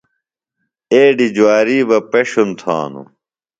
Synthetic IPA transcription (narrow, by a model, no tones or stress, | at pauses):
eːɖid͡ʑwaːɾiːbɐpeɕunt̪ʰã̰ːnṵ